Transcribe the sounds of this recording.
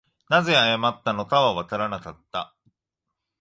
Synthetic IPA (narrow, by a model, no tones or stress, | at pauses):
naze̞ajamat̪ːano̞kaβaβat̪aɾanakat̪ːa̰